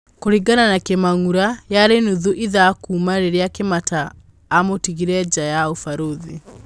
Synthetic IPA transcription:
koɾiɡananakemaŋuɾajaɾenuðuʔiðakuːmaɾeɾeakemataː | motiɣiɾɛd͡ʒajaofaɾoði

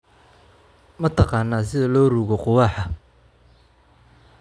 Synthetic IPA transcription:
mɐt̪ʰɑqɑːnːaːsɪðɐlɔːruːɣɔqʊwɑːħɐ

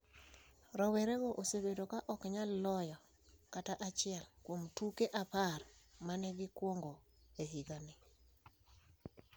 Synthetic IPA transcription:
ɾɔweɾeɡoʔosebedokaʔɔkɲalːɔjɔ | kataʔat͡ʃɪɛlkwomtukeʔaparmanɛɡɪkwoŋɡo | eɦiɡanɪ

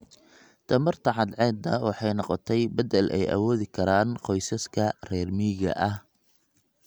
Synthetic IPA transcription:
t̪ʰɐmɐrt̪ʰɐʕɑd̪ʕɛːd̪ɐwɑħɑjnɔqɔt̪ʰɛjbɐd̪ɛlʔɛ̰jʔɐ̰wɔːðɪkʰɐɾaːnqɔjsɐskʰɐrɛːrmiːɣɐ̰ʔɐh

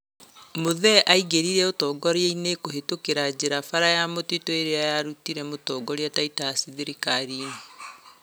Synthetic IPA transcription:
moðɛʔaiɡeɾiɾɛotɔːɡɔɾeeinekoɦetokeɾad͡ʑeɾafaɾajamotitoeɾeajaɾutiɾɛmotɔːɡɔɾeɛtaitasiðeɾikaɾiːne

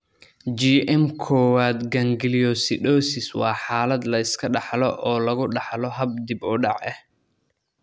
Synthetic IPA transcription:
d͡ʒiːʔɛmkʰɔːwaːd̪ɡɐŋɡɪlijɔsɪɗɔːsɪswɑːħaːlɐd̪lɐɪskʰɐɖɑħlɔʔɔːlɐɣʊɖɑħlɔɦɐb̚d̪ɪbʊɖɑʕɛ̰h

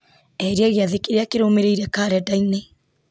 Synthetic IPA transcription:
ɛɾeɛɣeaðekeɾeakeɾoːmeɾeiɾɛkaɾɛdaine

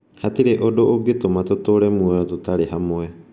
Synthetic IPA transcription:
hat̪iɾeʔodoʔoɡet̪omat̪ot̪oɾemuaot̪ot̪aɾeɦamoe

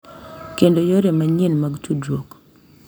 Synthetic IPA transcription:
kendojoɾemaɲenmaɡtudwok

